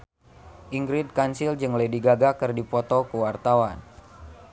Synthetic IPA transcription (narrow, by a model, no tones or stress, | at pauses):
ʔiŋɡɾid̚kansild͡ʒɨŋlediɡaɡakɨrdipɔt̪ɔkəwart̪awan